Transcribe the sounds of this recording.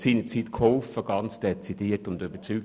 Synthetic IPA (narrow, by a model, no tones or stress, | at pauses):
siːnət͡siːt̪kʰhɔlfəɡ̥ɑnt͡sd̪̥ɛt͡sid̥iːətʊnd̪ybət͡sy